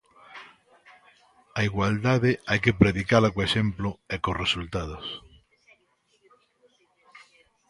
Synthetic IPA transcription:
aiɣwald̪aðeajkepɾeðikalakoeʃemploɛkosresult̪að̞os

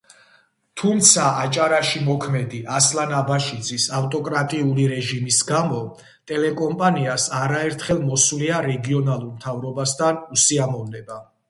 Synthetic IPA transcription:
t̪ʰumt̪sʰaːt͡ʃʼaɾaʃimɔkʰmɛd̪iʔaslanabaʃid̪zisaft̪ʼɔkʼɾat̪ʼiuliɾɛʒimisɡamɔ | t̪ʼɛlɛkʼɔmpʼaniasaɾaɛɾt̪ʰχɛlˠmɔsuliaɾɛɡiɔnalˠuɾmt̪ʰavɾɔbast̪ʰanusiamɔvnɛba

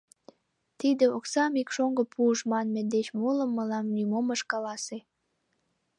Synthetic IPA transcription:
t̪id̪eoksɑmikʃoŋɡopʰuəʃmɑnmed̪et͡ɕmoləmːəlɑmnymoməʃkɑlɑse

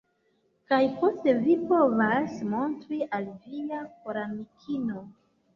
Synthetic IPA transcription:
kajpo̞ste̞vipo̞vasmo̞ntɾiʔalviakoɾamikʰino̞

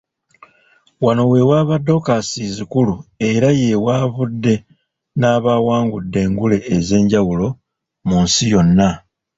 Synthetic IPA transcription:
wano̞we̞waːβadːo̞kasizikulue̞ɾaje̞waːβudːe̞ | naːβawaːŋɡudːe̞ːŋɡule̞ːze̞ːɲɟawulo̞ | munsijo̞nːa

